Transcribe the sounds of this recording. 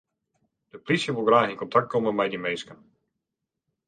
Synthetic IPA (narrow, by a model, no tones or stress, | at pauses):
d̥əplisjəʋulˠɡraːxɪnkɔntʰak̚t̚komənmɛjdimejskən